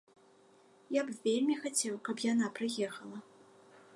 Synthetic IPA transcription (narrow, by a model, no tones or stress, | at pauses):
japvʲelʲmʲixat͡sʲɛwkɐpjanapɾɨjɛxɐlˠɐ